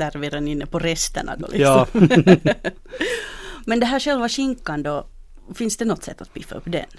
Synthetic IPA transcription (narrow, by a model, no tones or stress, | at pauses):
æɾʋeɾɛnɪnːəpɔɾɛst̪æ̰ɳɑ̰ɡ̪o̰lʔɪ̰ksɑɔ | mɛnd̪ɛɦæːʂɛlʋɑʂɪŋkːɑnd̪ɔ | fɪnsd̪ɛnɔt̪ːsɛt̪ːat̪̚pifːɑɵpːd̪ɛ̰n